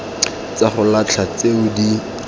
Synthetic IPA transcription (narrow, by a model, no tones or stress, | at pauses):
t͡saχʊlat͡ɬʰat͡seʊdi